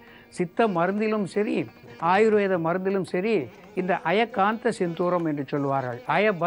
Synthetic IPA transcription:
sɪt̪ːɐmɐɾɯnd̪ɪlɯmsɐɾi | aːjɾɯʋɐjðɐmɐɾɯnd̪ɪlɯmsɐɾi | ɪnd̪ɐʔɐjɐkːaːnt̪ɐsɪnd̪uːɾɐmɛndrɯt͡ʃɔlːɯʋaːɾɣɐ̰ɭɐjɐbɐ

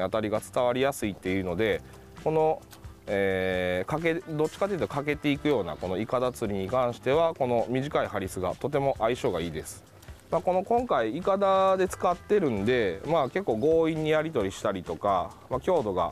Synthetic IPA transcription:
at̪aɾʲiɡat͡sɨ̥t̪aβ̞aɾʲijasɨit̪ːe̞jɯ̟ːno̞d̪e̞ | ko̞no̞ | eːkake̞d̪o̞tt͡ɕːi̥kat̪eiɯ̟t̪okak̬e̞t̪e̞ikɯ̟jo̞ːna̰ko̞no̞ikad̪at͡sɨɾʲiɲ̟ikãɰ̃ɕi̥t̪e̞βako̞no̞mʲiʑikaihɦaɾʲisɨɡa̰t̪o̞t̪e̞mo̞ʔaiɕo̞ːɡaiːd̪e̞sɨ̥ | mako̞no̞kõ̞ŋkaiikad̪ad̪e̞t͡sɨ̥kat̪ːe̞ɾɯ̟̃nd̪e̞make̞kːoːɡo̞ːĩɲ̟ːijaɾʲit̪o̞ɾʲiɕi̥t̪aɾʲit̪o̞ka | makʲo̞ːd̪o̞ɡa̰

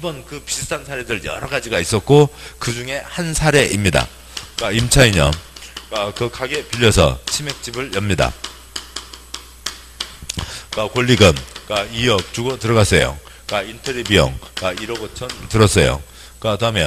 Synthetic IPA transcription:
ibʌnkɯpisʰɯ̥tʰansʰaɾe̞dɯɭjʌ̰ɾʌɡad͡ʑiɡais͈ʌt̚k͈okɯd͡ʑuŋe̞hansʰaɾe̞ʔimɲida̰ | kaimt͡ɕʰaiɲʌ̰kakɯkaɡe̞piʎːʌsʰʌ̰t͡ɕʰime̞k̚t͡ɕ͈ibɯɭjʌmɲida̰ | kakoʎːiɡɯmkaijʌk̚t͡ɕuɡʌtɯɾʌɣas͈ʌjo̰ | kaintʰʌɾibiʌ̰ŋkaiɾʌɡot͡ɕʰʌntɯɾʌs͈ʌjo̰ | kadmjʌn

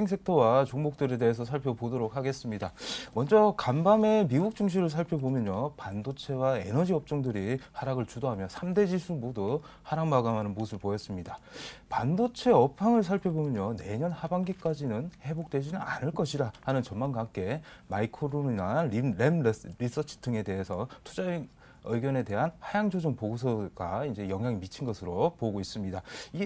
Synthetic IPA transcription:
eŋs̬ʰe̞k̚tʰʌwat͡ɕoŋmok̚t͈ɯɾe̞de̞es̬ʰʌsʰaɭpʰjʌpodoɾok̚haɡe̞s͈ɯmɲidamʌnd͡ʑʌkambame̞miɡuk̚t͡ɕ͈uŋɕ̬ʰiɾɯɭsʰaɭpʰjʌbomjʌɲopandot͡ɕʰe̞wae̞̰nʌd͡ʑiʌp̚t͡ɕ͈oŋdɯɾihaɾaɡɯɭt͡ɕudoɦamjʌsʰamde̞d͡ʑisʰumodo | haɾaŋmaɡamɦanɯnmosʰɯɭpojʌs͈ɯmɲidapandot͡ɕʰe̞ʌpʰaŋɯɭs̬ʰaɭpʰjʌbomjʌɲjone̞ɲʌnhabaŋɡik͈ad͡ʑinɯnhe̞bok̚t͈wed͡ʑinɯna̰nɯɭk͈ʌɕʰiɾahanɯnt͡ɕʌnmanɡaŋk͈e̞maikʰoɾoninaɾiɾe̞mɾis͈ʌt͡ɕʰi̥tʰɯŋe̞de̞ɦesʰʌtʰud͡ʑa | ɯɡjʌne̞de̞ɦanhajaŋd͡ʑʰod͡ʑoŋpoɡosʰʌɡ̥aind͡ʑe̞jʌŋɦjaŋimit͡ɕʰinɡʌsʰɯɾopoɡois͈ɯmɲidai

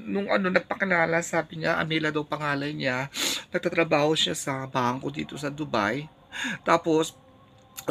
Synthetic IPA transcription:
nʊŋʔɐ̰no̞nɐɡ̚pɐkɪlaːlɐsaːbɪɲaʔɐ̰miːlɐd̪ɐwpɐŋaːlɐjɲanɐɡ̚t̪aːt̪ɾɐbaːho̞ʃasɐbaːŋko̞d̪ḭːt̪o̞sɐd̪ʊba̰j | t̪aːpo̞s

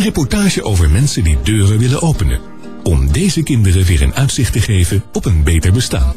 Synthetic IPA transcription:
ərepɔɹtaːʒəʔowvəɹmɛnsədidøːrəʋɪlənʔowpənə̰ | ɔmdejzəkɪndərəʋɪːɹə̰nœɥtsɪχtəχejvəɔpənbejtəɹbəsta̰ːn

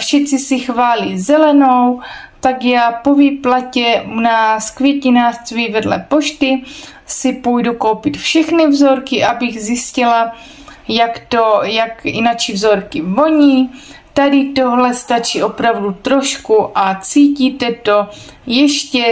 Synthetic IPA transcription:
fʃɛt͡sɪsɪxvaːliːzɛlɛno̞w | t̪akjaːpo̞vɪplacɛunaːskvjɛcɪnaːst͡sviːvɛdlɛ̰poʃt̪ɪ | sɪpujduko̞wpɪt̪fʃɛxnɪvzo̞ɾkɪʔabɪɣzjɪscɪla | jakt̪ojakɪ̰nat͡ʃivzo̞ɾkɪvo̞ɲiːt̪adɪt̪oɦlɛst̪at͡ʃiːo̞pɾavdut̪ɾo̞ʃkuʔat͡siːciːt̪ɛt̪o | jɛʃcɛ

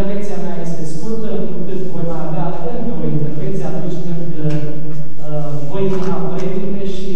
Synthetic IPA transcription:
ɾvek̚t̪siameaje̞st̪eskult̪ə | kɨt̪vo̞jmaavea | ɨnt̪o̞int̪e̞rvent̪sijeat̪unt͡ʃʲkɨnd̪ə | vo̞jnunapɾed̪imeʃi

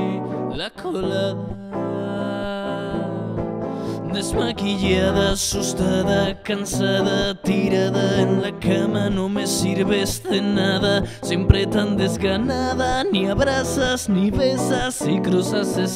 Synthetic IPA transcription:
lakʰolaða | d̪e̞zmakiʎaðasust̪aðakansaðat̪iɾaðaenlakamanõ̞me̞siɾβe̞zðe̞naðasjempɾe̞t̪and̪e̞zɣanaðaniaβɾasasniβe̞sasikɾusases

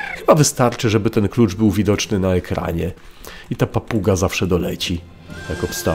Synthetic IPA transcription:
xɘbavɘst̪aɾt͡ʂɘʐɛbɘt̪ɛnklut͡ʂbɘwvʲid̪ɔt͡ʂnɘnaɛkɾa̰ɲɛ | it̪apapuɡazafʂɛd̪ɔlɛt͡ɕi | jakɔpst̪a

